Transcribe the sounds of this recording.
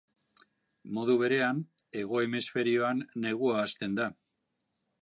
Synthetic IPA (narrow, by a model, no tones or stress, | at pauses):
mo̞ðuβ̞e̞ɾe̞ane̞ɣ̞o̞emesfe̞ɾio̞anːe̞ɣ̞uaːst̪e̞nd̪a